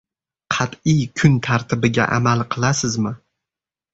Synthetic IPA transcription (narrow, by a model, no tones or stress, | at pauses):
qʰɑt̪ɪjkʰʊnt̪ʰaɾt̪ʰɪbɪɡʲa̰ʔa̰malˠqʰɨlˠasɪzmɪ